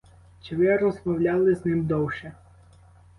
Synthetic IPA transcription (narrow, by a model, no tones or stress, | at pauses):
t͡ʃɪʋɪɾɔzmɔwlʲalˠɪznɪmd̪ɔwʃɛ